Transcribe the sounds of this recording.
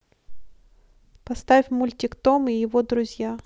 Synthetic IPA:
pɐst̪afʲmʊlʲtʲɪkt̪omijɪvod̪ɾʊzʲja

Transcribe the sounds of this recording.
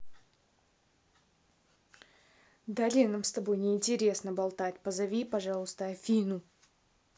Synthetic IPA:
d̪alʲinamst̪ɐbo̞jnʲɪːnʲtʲɪɾʲe̞snəbɐlˠt̪atʲpəzɐvʲipɐʐɑlˠəst̪əɐfʲinu

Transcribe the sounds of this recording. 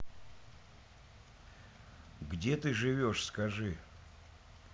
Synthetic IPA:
ɡdʲe̞t̪ɨʐɨvʲo̞ʂskɐʐɨ

